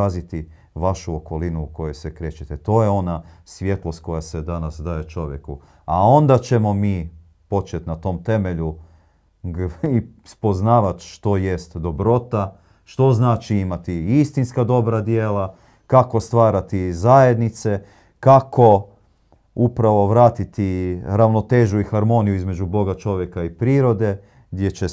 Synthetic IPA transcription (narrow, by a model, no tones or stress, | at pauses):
azit̪i | ʋaʃuoko̞linuːko̞jojsekɾet͡ɕet̪et̪o̞ːjeo̞nasʋʲje̞t̪lˠo̞st̪̚ko̞jased̪anasd̪aje̞t͡ʃo̞ʋjeku | ao̞nd̪at͡ɕe̞mo̞miː | po̞t͡ʃe̞t̪nat̪o̞ːmt̪e̞me̞ʎu | ispo̞znaːʋat̪ʃt̪o̞je̞st̪d̪o̞bɾo̞t̪a | ʃt̪o̞znaːt͡ʃiimat̪iist̪inskad̪o̞bɾad̪jeːla | kako̞st̪ʋaːɾat̪izaje̞d̪nit̪se̞ | kako̞ | upɾaʋo̞ʋɾaːt̪it̪iɾaʋno̞t̪e̞ːʒuixaɾmo̞nijuizme̞d͡ʒubo̞ɡat͡ʃo̞ʋjekaipɾiːɾo̞d̪e̞ | ɡd̪je̞t͡ɕe